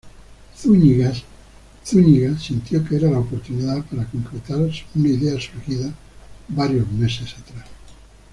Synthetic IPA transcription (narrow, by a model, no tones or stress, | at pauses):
θuɲiɣas | θuɲiɣasint̪jokeeɾalaopo̞ɾt̪uniðaðpaɾako̞ŋkɾet̪aɾsunaiðeasuɾxiða | baɾjozme̞sesat̪ɾas